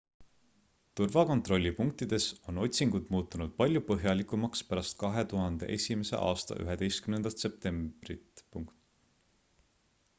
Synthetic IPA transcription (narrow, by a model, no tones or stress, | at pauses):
t̪urvɑko̞nt̪ro̞lʲːipuŋk̚t̪id̪̥e̞so̞no̞t̪ʲsiŋɡ̥ud̪muːt̪ːˑunud̪̥̚pɑlʲjupɤɦjɑlikːˑumɑkspæɾɑst̪̚kɑɦe̞t̪uɦɑnd̪̥e̞̰ʔe̞sʲime̞se̞̰ʔɑ̰ːst̪ɑ̰ʔy̰ɦe̞d̪e̞jst̪kymnend̪̥ɑt̪se̞p̚t̪e̞mb̥rit̪puŋkt̪